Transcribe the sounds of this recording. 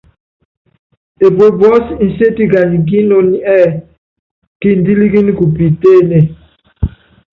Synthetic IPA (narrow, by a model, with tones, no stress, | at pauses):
e˨bwe˨bɔ˦sn̩˨se˦ti˦˨ɡa˨ɲ˨ɡ̬i˦no˦˨ni˦ɛ˦˨ | ki˦n̩˨di˦li˦ɡi˦n˦ku˨pi˨te˦˨ne˨